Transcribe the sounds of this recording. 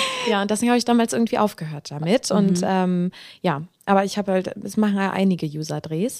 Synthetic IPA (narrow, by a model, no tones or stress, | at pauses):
jaːʊntd̥ɛseːŋhaːbəɪçd̥aːmaːlsʔɪɐɡŋ̩tv̥iːʔaʊfɡ̥əɦøːɐt̚d̥amɪtʰʊntʔɛːmjaːʔaːbɐɪçhaːbəhaltɛsmaχn̩jaːʔa̰ɪnɪɡəjuːzɐdʁeːs